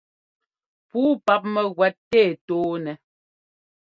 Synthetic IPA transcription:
puː˦pa˦p̚mɛ˦ɣwɛ˨˦tːeː˦˨toː˦nɛ˨

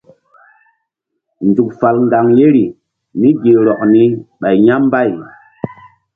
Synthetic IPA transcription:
nd͡zu˨k̚fa˨lŋɡa˨ŋje˦ɾi˨ | ni˦ɡi˨ɾɔ˨k̚ni˦ɓa˨jɲa˦m˦ba˦˨j

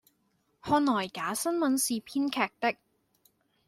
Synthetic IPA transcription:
hɔː˧nlɔː˨˩jkaː˨˥sɐ˥nmɐ˨˥nsiː˨pʰiː˥nkʰɛː˨˧k̚t̪ɪ˥k̚

